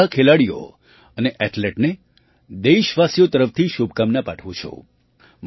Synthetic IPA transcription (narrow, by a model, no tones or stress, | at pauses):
əkʰelaɽijo̰ | əneʔɛʈleʈne | d̪eiʃʋasjot̪əɾəft̪ʰiʃubkamnapaʈʰʋũt͡ʃʰṵ | m